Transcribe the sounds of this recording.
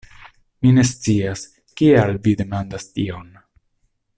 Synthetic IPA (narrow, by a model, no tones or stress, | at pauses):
mine̞st͡sias | kialvide̞mandastio̞n